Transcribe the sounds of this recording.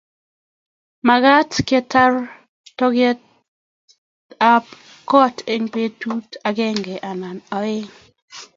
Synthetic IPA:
ma˨ɡa˦tke˦ta˦r | tɔ˦ɡɛ˦t | a˦ | kɔ˦tʰe˦ŋpe˦tu˦ta˨ɡɛ˦ŋɡɛ˨ʔa˨na˨na˨ɪ˦ŋ

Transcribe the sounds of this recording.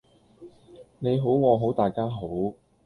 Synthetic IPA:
ne˨˧jɦo˨˥wŋɔː˨˧ɦo˨˥wt̪aː˨˩jkaː˥ɦo˨˥w

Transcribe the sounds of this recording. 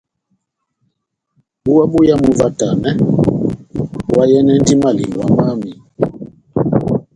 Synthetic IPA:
bu˦wa˦ɓu˦ja˦mu˨va˦ta˨mɛ˦ | wa˦jɛ˦nɛ˦n˦di˦ma˦˨lḭ˨wa˦ma˦mi˨

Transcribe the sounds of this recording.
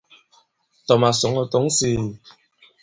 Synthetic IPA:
t̪ɔ˨ma˨sʊ˨˦ŋɔ˧t̪ʊ˨˦ŋsiː˨

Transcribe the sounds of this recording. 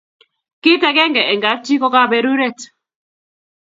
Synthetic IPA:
ki˦tɛ˦kɛ˦ŋɡɛ˨ʔɛ˨ŋɡa˨˦t͡ʃi˦kɔ˦ka˦bɛ˨ɾu˦ɾe˦˨t

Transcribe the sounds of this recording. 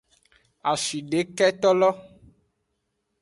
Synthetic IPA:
a˨si˨ɖe˨˦kɛ˦t̪ɔ˦lɔ˦

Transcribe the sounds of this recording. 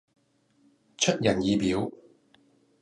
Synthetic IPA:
t͡ʃʰɵ˥t̚jɐ˨˩njiː˨˧pi˨˥w

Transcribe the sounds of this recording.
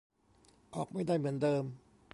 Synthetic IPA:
ʔɔː˨˩k̚ma˥˩jda˥˩jmɯ˩˦əndɤː˧m

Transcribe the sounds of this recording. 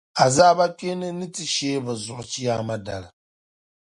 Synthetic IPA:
a˨zaː˦ba˦kʲe˦ne˦ni˦ti˨ʃeː˦ba˨zʊ˨ʔʊ˨t͡ʃi˦jaː˦ma˦da˨la˨

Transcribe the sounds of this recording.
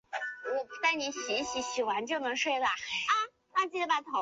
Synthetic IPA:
wɔ˨˩pu˧˥t͡s̪a˥˩ɪni˧˥ɕi˧˥nɕi˧˥ɕi˨˩xwa˧˥nt͡ɕjo˥˩ʊnɤ˧˥ŋʂwe˥˧ɪlə˩a˧˩ | a˥˧t͡ɕi˥˩d̪ə˨pa˥˩nt̪ʰo˧˥˦

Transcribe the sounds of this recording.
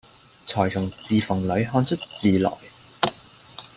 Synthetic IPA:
t͡sʰɔː˨˩jtʰʊ˨˩ŋt͡siː˧fʊ˨˩ŋlɵ˨˧ɥɦɔː˧nt͡ʃʰɵ˥t̚t͡siː˨lɔ̰ː˨˩j

